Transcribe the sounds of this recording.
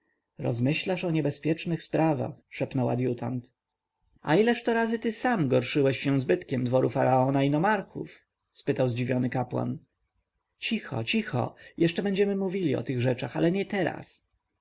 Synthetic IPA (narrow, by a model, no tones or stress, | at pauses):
ɾɔ̰zmɘɕlaʂɔɲɛbɛspʲjɛt͡ʂnɘxspɾava̰xʂɛpnɔwa̰d̪jut̪ant̪ | a̰ilɛʂt̪ɔɾazɘt̪ɘsamɡɔɾʂɘwɛɕːɛ̃zbɘt̪kʲɛmd̪vɔɾufaɾaɔnainɔmaɾxṵf | spɘt̪awzd͡ʑivʲjɔnɘkapwa̰n | t͡ɕixɔ̰t͡ɕixɔ̰jɛʂt͡ʂɛbɛɲd͡ʑɛmɘmuvʲilʲiɔ̰t̪ɘɣʐɛt͡ʂaxalɛɲɛt̪ɛɾa̰s